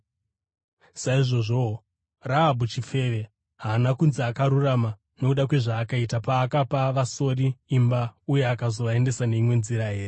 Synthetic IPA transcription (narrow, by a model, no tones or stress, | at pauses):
saiʐo̞ʐo̞ | raːbʱut͡ʃife̞ʋe̞ | ɦaːnakunziakaɾurama | no̞kuɗakwe̞ʐaːkaitapaːkapaʋaso̞riːmbauje̞akazo̞ʋaende̞sane̞imwe̞nziɾaɦeːre